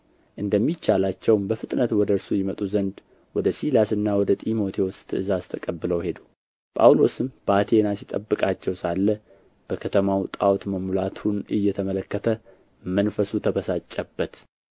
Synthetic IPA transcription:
ʔɨnd̪əmːit͡ʃːalat͡ʃːɛwmbəfɨt̪ʼnət̪wɔd̪əɾsujɪmət̪ʼuzənd̪ | wɔd̪əsilasɨnːawɔd̪ət̪ʼimo̞t̪ʰeost̪ʰɨɨzast̪ʰəkʼəbːɨləwhe̞d̪u | pʼa̰wlo̞sɨmb̥əat̪ʰe̞nasit̪ʼəbːɨkʼat͡ʃːɛwsalːə | b̥əkʰət̪ʰəmawt̪ʼawt̪məmulat̪ʰunʔɨjːɛt̪ʰəmələkːət̪ʰə | mənfəsut̪ʰəbəsat͡ʃʼːɛbːət̪

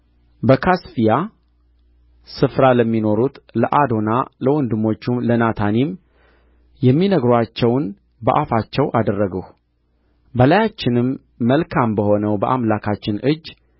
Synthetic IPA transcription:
bəkʰasfija | sɨfɾaləmːino̞ɾut̪ləʔad̪o̞naləwɔnd̪ɨmːo̞t͡ʃːumlənat̪ʰanim | jɛmːinəɡɾat͡ʃːɛwn | bəʔafat͡ʃːɛwʔad̪ərːəɡəh | bəlajat͡ʃːɪnɨmː | əlkʰambəho̞nəwbəʔamlakʰat͡ʃːɪnʔɨd͡ʒː

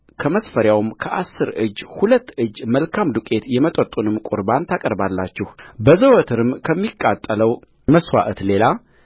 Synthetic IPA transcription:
kʰəməsfəɾjawmkʰəʔasːɨɾɨd͡ʒːhulət̪ːɨd͡ʒːməlkʰamd̪ukʼe̞t̪jɛmət̪ʼət̪ʼunɨmkʼṵɾbant̪ʰakʼəɾbalːat͡ʃːɪhbəzəwɔt̪ʰɨɾɨmkʰəmːikʼːat̪ʼːələw | məswa̰ʔət̪le̞la

